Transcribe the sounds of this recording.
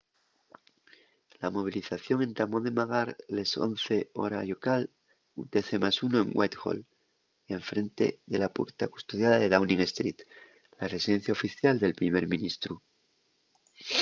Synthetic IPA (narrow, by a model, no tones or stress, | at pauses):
lamo̞β̞iliθaθjo̞ŋẽ̞nt̪amoðemaɣaɾleso̰nθe̞o̞̰ɾaʝokal | ṵt̪e̞θemasunoeŋɡwʔa̰jt̪ɣo̰l | eɱfɾe̞nt̪e̞̰ðe̞lapṵɾt̪aku̥st̪oð̞jaðaðe̞ðawnĩŋest̪ɾit̪ | lare̞siðe̞n̟θjaofiθjald̪e̞lpɾime̞ɾmĩnist̪ɾu